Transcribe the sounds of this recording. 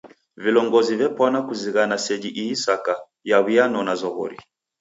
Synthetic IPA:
vilɔŋɡɔzivɛpɔnakuziɣanasɛd͡ʒiʔiːsaka | jaβianɔnazɔɣɔ̰ɾḭ

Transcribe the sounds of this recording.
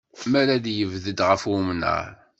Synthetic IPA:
mæɾæd̪jəvðəd̪ʁəfwumnə̰ɾˤ

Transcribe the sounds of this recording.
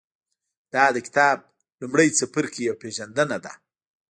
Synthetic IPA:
d̪̥ɑd̪əkɪ̥t̪ɑb̚ | lumɽəjt͡səpəɾkejawpeʒand̪ənad̪a̰

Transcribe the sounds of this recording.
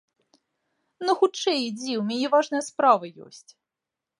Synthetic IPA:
nɐxut͡ʂɛjid͡zʲɛwmʲɛnʲɛvaʐnɨjɐspɾavɨjɔ̰sʲt͡sʲ

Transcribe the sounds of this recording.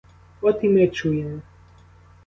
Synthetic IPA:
ɔt̪imɛt͡ʃujɛn

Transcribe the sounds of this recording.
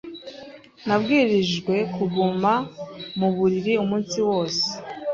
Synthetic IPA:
nabɡiːɾiʒɡwe̞kuɡumamuβuɾiɾiumuːnsiwo̞ːse̥

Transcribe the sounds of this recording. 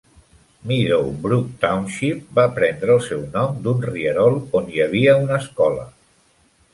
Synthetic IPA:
miðowbɾuk̚t̪awnʃip̚bapɾɛnd̪ɾəːlˠsɛwnɔmd̪unriəɾɔlˠonjəβiəunəːskɔlə̰

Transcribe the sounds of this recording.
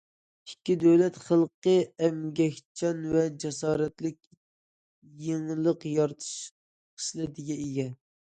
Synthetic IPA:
ikʲːid̪øwlɛt̪χəlˠqəɛmɡʲɛkʲt͡ʃʰɑnvɛd͡ʒɛsɑːɾɛt̪lɪkʲ | jeŋlˠəqjɑɾt̪ʰɨ̥ʃ | qʰə̥ʃlˠɨd̪ɪɡʲɛeɡʲɛ

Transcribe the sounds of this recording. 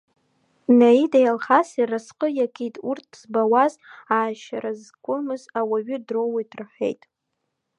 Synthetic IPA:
naidajalχasirasqʼəjakʲʼʰitʼurtʰz̥bawazaːʃaɾazkʷʼʊmɨzawaɥʏdrowadʰʼrħʷe̞̰jtʼ

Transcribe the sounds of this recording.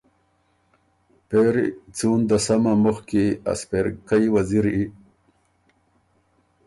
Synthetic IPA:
peɾit͡suːnd̪əsamamʊxkia̰speɾkajwaziɾi

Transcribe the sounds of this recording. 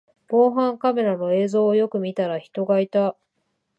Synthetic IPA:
bo̞ːɦãŋkame̞ɾano̞e̞ːzo̞ːjo̞kɯ̟mʲit̪aɾaçi̥t̪o̞ɡait̪a

